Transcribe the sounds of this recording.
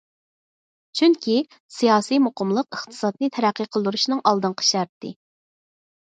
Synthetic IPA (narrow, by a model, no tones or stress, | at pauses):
t͡ʃʰyŋkʲʰi | sijɑːsijmoqʰəmlˠəqəχt̪ʰɨ̥sɑt̪nɨt̪ʰɛɾæqːiqʰəlˠd̪uɾuʃnɨŋʔɑlˠd̪ɨɴqʰə̥ʃɛɾt̪ːɨ̰